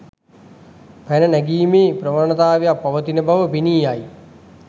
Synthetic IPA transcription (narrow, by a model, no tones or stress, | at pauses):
pænənæɡiːmeːpɾəmaːnɐt̪aːʋejapːaʋət̪inəbaʋəpiniːaj